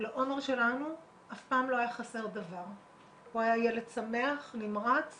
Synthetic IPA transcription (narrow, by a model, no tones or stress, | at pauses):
leʔo̞meʁʃe̞lanu | ʔafpaːmlo̞ajaχase̞ʁd̪avaʁ | huajajeledsameaχnimʁat͡s